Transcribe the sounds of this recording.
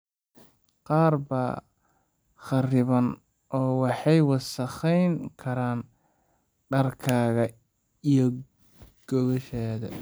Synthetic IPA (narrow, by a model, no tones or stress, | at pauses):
qɑːrbɐ | χɑrɪβɐn | ʔɔːwɑħɑjwɑsɐχɛjŋkʰɐɾaːn | ɖɐrkʰaːɣɐ | ijɔ | ɡ̥ɔβɔʃaːðɐ̰